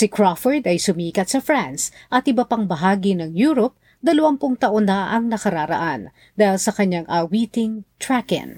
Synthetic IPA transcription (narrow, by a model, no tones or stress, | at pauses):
sɪkɹafɛɹd̪ɐjsʊmiːkɐt̪̚sɐfɹansʔɐt̪ʔɪbɐpaŋbɐɦaːɡinɐŋjuːɾop̚ | d̪ɐlɐwɐmpʊŋt̪ɐʔonːɐʔɐŋnɐkɐɾaːɾɐ̰ʔan | d̪aːhɪlsɐkɐɲaŋʔawiːt̪ɪŋt̪ɹakɪ̰n